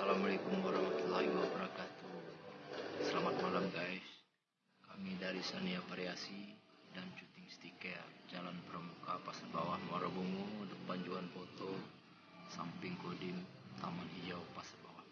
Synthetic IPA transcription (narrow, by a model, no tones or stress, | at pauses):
salamalekumwaɾɑhmat̪ulːahiwabəɾakat̪u | səlamat̪̚malamɡais | kamidaɾisaniafaɾeasidant͡ʃut̪ɪŋst̪ikad͡ʒalanpəɾəmukapasat̚bawahwaɾabuŋudəpand͡ʒuanpɔt̪o | sampɪŋkodɪm | t̪amanid͡ʒawpasḁt̚bawah